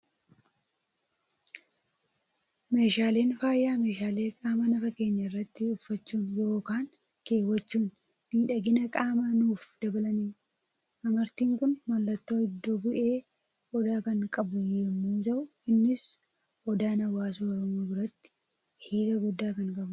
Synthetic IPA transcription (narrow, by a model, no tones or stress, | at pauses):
me̞ːʃaːleːnfaːjːaːme̞ːʃaːle̞ːkʼaːmɐnɐfɐke̞ːɲːɐɪrːɐt̪ːɪʊfːɐt͡ʃːuːnjo̞ːkaːŋ | keːwːɐt͡ʃːuːn | miːᶑɐɡɪnɐkʼaːmɐnuːfd̪̥ɐbɐlɐniː | ʔɐmɐɾt̪iːŋkʊnmɐlːɐt̪ːo̞ːɪd̪ːoːbʊʔe̞ː | ɔd̪aːkɐŋkʼɐbʊjɛmːuːsɐʔʊɪnːɪs | ɔd̪aːnɐwaːsoːɔɾɔmoːbɪɾɐt̪ːɪ̥ | hiːɡɐɡʊd̪ːaːkɐŋkʼɐb